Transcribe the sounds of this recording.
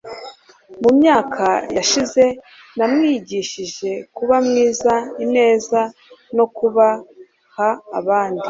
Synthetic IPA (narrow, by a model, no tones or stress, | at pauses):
mumɲaːkʰajaʃize̞ | namŋiːɟiʃiʒe̞kuβamŋiːzaine̞ːza | no̞kuβa | haːβaːndi